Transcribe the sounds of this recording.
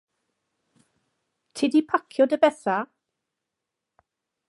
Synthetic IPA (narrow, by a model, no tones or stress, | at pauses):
tʰɪdipʰakʰjɔdəbɛθa